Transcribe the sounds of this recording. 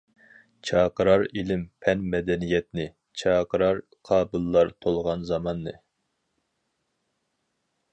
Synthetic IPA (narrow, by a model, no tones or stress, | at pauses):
t͡ʃʰɑːqəɾɑɾilɪmpʰɛnmɛd̪ɛnijɛt̪nɪ | t͡ʃʰɑːqʰəɾɑɾ | qʰɑːbɨlˠːɑɾt̪ʰolˠʁɑnzɑmɑnːɨ